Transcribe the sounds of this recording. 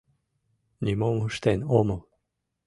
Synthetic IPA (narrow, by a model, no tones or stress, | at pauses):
nʲimomuʃt̪enomo